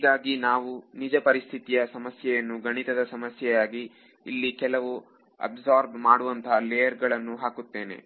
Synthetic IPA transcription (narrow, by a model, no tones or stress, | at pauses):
iːɡaːɡinaːʋunid͡ʒɐpɐɾist̪ʰit̪ijɐsɐmɐsjɛjɐnːuɡɐɳit̪ɐd̪ɐsɐmɐsjɛjaːɡiː | lːikɛlɐʋu | ɐ̰bzaːɾbmaːɽuʋɐnt̪ʰɐlɛjɐɾɡɐɭɐnːuɦaːkut̪ːe̞ːne̞̰